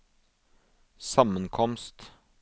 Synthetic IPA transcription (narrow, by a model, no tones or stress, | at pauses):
sɑmənkʰɔmst̪